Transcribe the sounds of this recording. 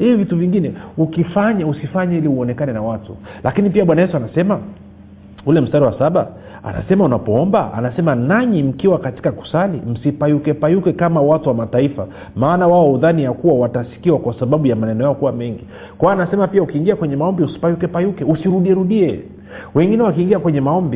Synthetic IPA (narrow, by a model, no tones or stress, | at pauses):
hivivituviŋɡinɛukifaɲausifaɲailiuɔnɛkanɛnawatṵlakinipiaɓwanajɛsuanasɛma | ulɛm̩staɾiwasaɓa | a̰na̰sɛmaunapɔɔmbaa̰nasɛmanaɲim̩kiwakati̥kaku̥salim̩sipaiukɛpajukɛkamawatuwamataifa | maːnawaɔuðanijakuwawatasi̥kiwakwasaɓaɓujamanɛnɔjaɔkuwamɛŋɡi | kwaɔanasɛmapiaukiːŋɡiakwɛɲɛmaɔmbiusi̥pajukɛpajukɛusiɾuɗiɛɾuɗiɛ | wɛŋɡinɛwakiːŋɡiakwɛɲɛmaɔmbi